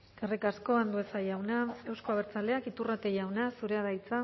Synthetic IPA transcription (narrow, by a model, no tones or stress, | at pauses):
kerekasko̞and̪ue̞sajawnae̞wsko̞aβeɾt͡sale̞akit̪urat̪e̞jawnasuɾe̞aðajt͡sa